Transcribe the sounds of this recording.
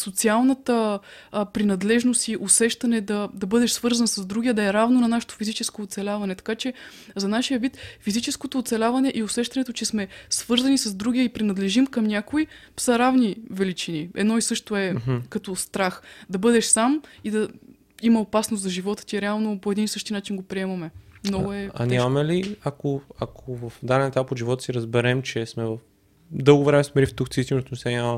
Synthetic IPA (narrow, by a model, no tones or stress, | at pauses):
sot̪sialˠnət̪ə | pɾinɐd̪lɛʒnost̪iʔosɛʃt̪ɐnɛd̪ɐd̪ɐbɤd̪ɛʃsvɤɾzɐnəsɐzd̪ɾuɡʲiɐd̪ɐɛɾavnonɐnaʃɛ̥t̪o̥fizit͡ʃɛskoːt̪sɛlʲavɐnɛt̪ɐ̥kat͡ʃɛ | zɐnaʃijəvit̪fizit͡ʃɛskot̪oːt̪sɛlʲavɐnɛʔiʊsɛʃt̪ɐnɛt̪ot͡ʃɛsmɛsv̥ɤɾzɐnisɐzd̪ɾuɡiəipɾinɐd̪lɛʒimkɐmnʲakoi | sɐɾavnivɛlit͡ʃiniɛ̰d̪nɔisɤʃt̪oɛɦkɐt̪ɔst̪ɾaxd̪ɐbɤd̪ɛʃsamid̪ɐ | imɐopasnost̪zɐʒivɔt̪ə̥t̪ʲiɛɾɛalˠnopoɛd̪insɤʃt̪inat͡ʃinɡopɾiɛmɐmɛmnɔɡʊɛa̰namɛliakoakʰovɐfd̪anɛnɛt̪apot̪ʒivɔt̪ə̥siɾəzbɛɾɛmt͡ʃɛsmɛvəf | d̪ɤlˠɡovɾɛmɛsmɛlift̪uxt̪siist̪int̪nʊsɛnʲ